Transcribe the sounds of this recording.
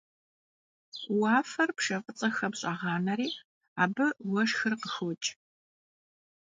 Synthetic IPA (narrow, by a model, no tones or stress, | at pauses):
wɑːfɐrpʂɐfʼət͡sʼɐxɐbɕʼaʁɑːnɐɾiː | aːbɨwɐʂxɨrqəxɔt͡ʃʼ